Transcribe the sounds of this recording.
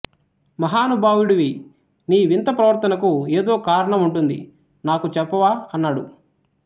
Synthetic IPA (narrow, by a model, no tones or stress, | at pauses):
mɐɦaːnubʱaːʋuɽiʋi | niːʋint̪ɐpɾɐʋɐɾt̪ɐnɐkueːd̪o̞ːkaːɾɐɳɐmuɳʈund̪ḭ | naːkut͡ʃɛpːɐʋaːɐnːaːɽṵ